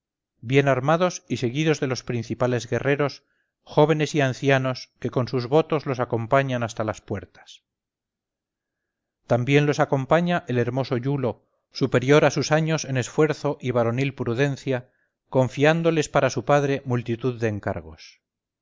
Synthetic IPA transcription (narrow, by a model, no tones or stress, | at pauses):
bje̞naɾmað̞o̞sise̞ɣiðo̞zðe̞lo̞spɾin̟θipale̞zɣe̞re̞ɾo̞s | xo̞β̞e̞ne̞sianθjano̞ske̞ko̞nsuzβo̞t̪o̞zlo̞sako̞mpaɲanast̪alaspwe̞ɾt̪ḁs | t̪ambje̞nlo̞sako̞mpaɲaʔele̞ɾmo̞so̞ʝulo̞ | supe̞ɾjo̞ɾasusaɲo̞se̞ne̞sfwe̞ɾθo̞ʔiβ̞aɾo̞nilpɾuðe̞n̟θja | ko̞ɱfiand̪o̞le̞spaɾasupaðɾe̞mult̪it̪uðːe̞ːŋka̰ɾɣ̞o̞̰s